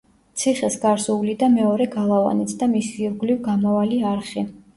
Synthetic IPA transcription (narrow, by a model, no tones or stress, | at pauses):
t̪sʰiχɛsɡaɾsuulid̪amɛɔɾɛɡalˠava̰nit̪ʰd̪amisiɾɡlivɡamɔvaliaɾχi